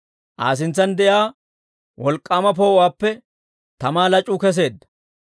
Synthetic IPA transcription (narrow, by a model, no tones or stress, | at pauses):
ʔa̰ːs̬ɪnt͡sːɐnd̪ɛjaː | wɔlkʼːaːmɐp̬oːwaːpːɛ | t̪ɐmaːlɐt͡ʃʼːʊkɛs̬e̞ːd̪ːɐ̥